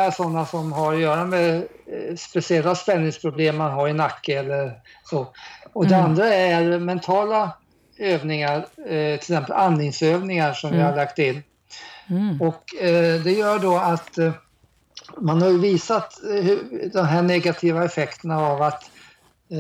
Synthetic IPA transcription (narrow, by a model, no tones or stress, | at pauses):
æʂɔnːasɔmɦaɾɔjœːɾamɛ | spɛsɪɛlːaspɛnːɪŋspʰɾʊbleːmːanɦaɾɪnakːəɛlːəɾsoɔd̪ɛand̪ɾaæɾmɛnt̪ʰɑːla | øːvnɪŋaɾt̪ʰɪlsɛmpə̰lʔanːɪŋsøːvnɪŋaʂɔmvɪhaɭakt̪ɪnː | ɔkd̪ɛjœːɖɔat̪ | manhaɾjɵviːsat̪hɵd̪ɔmɦæːɳɛɡat̪ʰiːvaɛfɛkt̪ənaːvat̪